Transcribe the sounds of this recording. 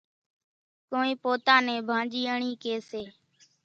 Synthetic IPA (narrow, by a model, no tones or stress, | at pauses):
koːĩːpoːt̪ãːnẽːbʱãːd͡ʒiːəɳiːkeːseː